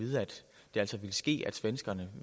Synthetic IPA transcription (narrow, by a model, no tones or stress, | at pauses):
ið̞ˠæd̥ | d̥e̝æl̰sɒ̽ʋiləsɡ̥e̝̰ːæd̥sʋensɡ̥ɐnə